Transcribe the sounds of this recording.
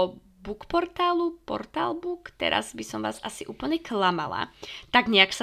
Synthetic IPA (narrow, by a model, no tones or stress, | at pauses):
bukpɔɾt̪aːlupɔ̰ɾt̪aːlbuːkt̪ɛ̰ɾa̰zbisɔmʋaːzasiʔuːpl̩ɲɛklama̰la̰t̪aɡɲɛaksa